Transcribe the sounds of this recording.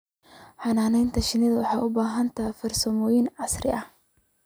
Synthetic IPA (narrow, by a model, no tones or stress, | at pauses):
ħɑnaːnɛjnt̪ʰɐʃɪnɪðɐwɑħɑːʔʊbaːɦɐnt̪ʰɐfɐrsɐmɔːjɪnʕɑsrɪ̰ʔɐh